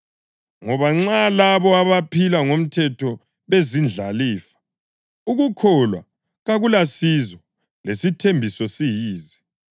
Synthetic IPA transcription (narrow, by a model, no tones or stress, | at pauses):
ŋɔβaŋ͡ǁalaβɔaβapʰilaŋom̩tʰɛtʰɔ | βezind͡ɮʱaliːfḁ | uɣukʰɔlwa̰ | ɣaɣulasizɔ | lesitʰembʱisɔsijiːzi